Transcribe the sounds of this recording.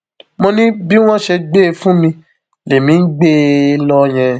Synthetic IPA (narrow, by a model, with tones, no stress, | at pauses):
mõ˧nĩ˦bi˦w̃ɔ̃˦ʃe˧ɡ͡be˦˧fũ˦mĩ˧ | le˨mĩ˨˦ɡ͡be˦lɔ˧j̃ɛ̃˧